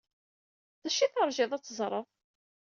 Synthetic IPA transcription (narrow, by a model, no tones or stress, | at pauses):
ðæʃiθəɾˤʒɪðˤæt͡sːəzˤɾˤəðˤ